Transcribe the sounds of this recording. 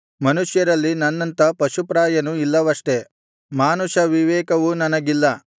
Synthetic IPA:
mɐnuʂjɐɾɐlːinɐnːɐnt̪ɐpɐʃupɾaːjɐnuilːɐʋɐʂʈe̞ | maːnuʃɐʋiʋɛːkɐʋunɐnɐɡilːɐ

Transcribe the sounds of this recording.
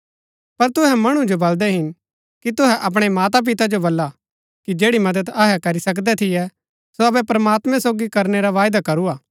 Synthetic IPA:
pɐɾt̪ʊɦɛmɐɽ̃ũd͡ʒobɐld̪ɛɦɪn | kit̪ʊɦɛʔɐp̬ɽ̃emaːt̪ap̬ɪt̪ad͡ʒobɐlːa | kid͡ʒeːɽimɐd̪əd̪ɐɦɛkɐɾisɐk̬d̪ɛt̪ʰɪjɛ | soɐbɛpɾɐmaːt̪mɛ̃soːɡikɐɾneɾaʋaːjd̪akɐɾuaː

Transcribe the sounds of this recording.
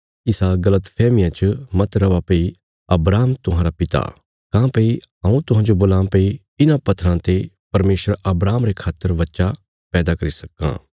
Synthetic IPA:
ɪsaɡɐlət̪pʰɛːmɪjãt͡ʃmɐt̪ɾɐʋapei | ɐbɾaːmt̪ʊɦãːɾapɪt̪a̰ | kãːpeiɦɐ̃ũt̪ʊɦãːd͡ʒoboːlãpei | ɪnãpɐt̪ʰɾãt̪e | pɐɾmeːsəɾɐbɾaːmɾekʰaːt̪ːəɾʋɐtːʃa | pɛːd̪akɐɾisɐkːã̰ː

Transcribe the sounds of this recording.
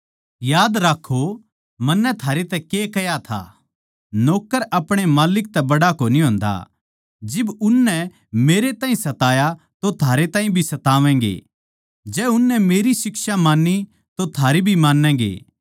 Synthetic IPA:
jaːd̪ɾaːkʰːo | mɐnːɛt̪ʰaːɾet̪ɛkekɐjat̪ʰa̰ː | noːkəɾɐpɽ̃emaːlɪk̚t̪ɛbɐɽakoːniɦõːnd̪a̰ | d͡ʒɪbʊnːɛ | meːɾet̪ãːĩsɐt̪aːja | t̪ot̪ʰaːɾet̪ãːɦĩbʱisɐt̪aːʋɛ̃ːŋɡḛ | d͡ʒɛːʊnːɛmeːɾisɪksamãːnːi | t̪ot̪ʰaːɾibʱimãːnːɛ̃ːɡḛː

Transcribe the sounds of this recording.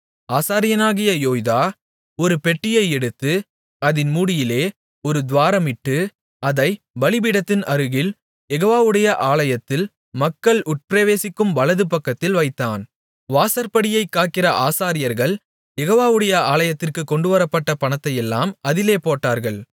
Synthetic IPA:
aːsaːɾɪjɐnaːɣɪjɐjoːjðaː | ɔɾɯpɛʈːɪjɐɪɛɽɯt̪ːɯ | ɐðɪnmuːɽɪjɪleː | ɔɾɯd̪ʋaːɾɐmɪʈːɯ | ɐðɐɪ | bɐɭɪbɪɽɐt̪ːɪnɐɾɯɣɪl | jɛɣoːʋaːʋɯɽɐjɐʔaːɭɐjɐt̪ːɪl | mɐkːɐɭʔʊʈ̚pɾeʋeːsɪkːɯmʋɐlɐðɯpɐkːɐt̪ːɪlʋɐɪt̪ːaːn | ʋaːsɐɾpɐɽɪjɐɪkːaːʈkɪrɐʔaːsaːɾɪjɐɾɣɐɭ | jɛɣoːʋaːʋɯɽɐjɐaːlɐjɐt̪ːɪrkɯkːɔɳɖɯʋɐɾɐpːɐʈːɐpɐɳɐt̪ːɐjɛlːaːmɐðɪleːpoːʈːaːɾɣɐɭ

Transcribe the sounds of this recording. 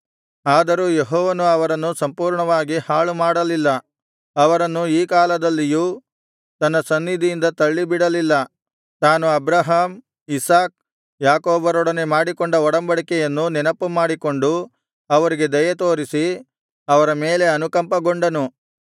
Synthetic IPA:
aːd̪ɐɾuːjeɦɔːʋɐnuɐʋɐɾɐnːusɐmpuːɾɳɐʋaːɡihaːɭumaːɽɐlilːɐ | ɐʋɐɾɐnːuiːkaːlɐd̪ɐlːijuː | t̪ɐnːɐsɐnːid̪ʱijind̪ɐt̪ɐɭːibiɽɐlilːɐ | t̪aːnuɐbɾɐɦaːm | isaːk̚ | jaːkoːbɐɾɔɽɐnemaːɽikoɳɖɐɔɽɐmbɐɽikɛjɐnːunɛnɐpːumaːɽiko̞ɳɖu | ɐʋɐɾiɡe̞d̪ɐjɐt̪o̞ːɾisi | ɐʋɐɾɐme̞ːle̞ɐnukɐmpɐɡoɳɖɐnu

